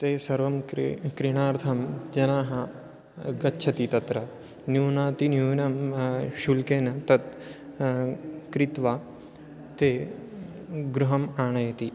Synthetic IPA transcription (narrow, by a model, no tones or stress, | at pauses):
t̪eːsɐɾʋɐmkɾiɳ̃aːɾt̪ʰɐmd͡ʒɐnaːɦɐ | ɡɐtːʃʰɐt̪it̪ɐt̪ɾɐ | njuːnaːt̪injuːnɐmʃulkeːnɐt̪ɐt̪ | kɾit̪ʋaː | t̪eː | ɡɾuɦɐmaːɳɐjɐt̪i